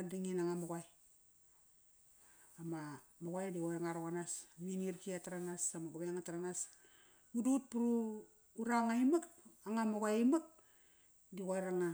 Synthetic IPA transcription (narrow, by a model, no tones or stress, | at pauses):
adaŋinaŋamoɡaj | amamoɡajdikojŋaɾokanasminiɾkiataɾanasamaɡubeŋataɾanas | ɡudut̚puɾuː | ɾaŋaimakaŋamoɡajimak̚ | dikajɾaŋa